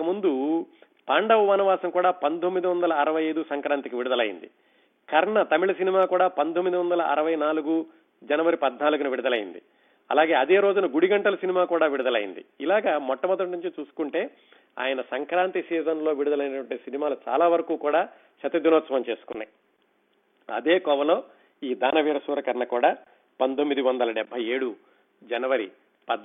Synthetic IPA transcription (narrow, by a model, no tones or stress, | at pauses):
kɐmund̪u | paːɳɖɐʋɐʋɐːnɐʋaːsɐŋkuːɽaːpɐnt̪omːid̪iʋɐnd̪ɐlɐːɾɐʋɐjɐjd̪usɐŋkɾaːnt̪ikiʋiɽud̪ɐlɐ̰jḭnd̪i | kʰɐɾɐɳɐt̪ɐmiɭɐsinimaːkuːɽaːpɐnt̪omːid̪iʋɐnd̪ɐlɐʔɐ̰ɾɐʋɐjnaːluɡu | d͡ʒɐnɐʋɐɾipɐd̪naːluɡuniʋiɽud̪ɐlɐjḭnd̪ḭ | ɐ̰laːɡe̞ːɐd̪e̞ːɾo̞ːd͡ʒunɐɡuɽiɡɐɳʈɐlɐsinimaːkuːɽaːʋiɽud̪ɐlɐ̰jḭnd̪ḭilaːɡaːmɔʈːɐmɔd̪ɐʈ̬nuɲt͡ʃit͡ʃuːsu̥kuɳʈe̞ː | a̰ːjɐnɐsɐŋkɾaːnt̪isiːzɐnlo̞ːʋiɽud̪ɐlɐjnɐʈʋɐɳʈiːsinimaːlut͡ʃa̰ːlaːʋɐɾɐkuːkuːɽaː | t͡ʃɐt̪ɐd̪inoːt̪sɐʋɐmt͡ʃe̞ːsu̥kunːa̰j | ɐ̰d̪e̞ːkɔʋɐlo̞ː | iːd̪aːnɐʋiːɾɐsuːɾɐkɐɾnɐkuːɽaː | pɐnt̪omːid̪iʋɐnd̪ɐlɐɖɛbʱːɐje̞ːɽu | d͡ʒɐnɐʋɐɾi | pɐd̪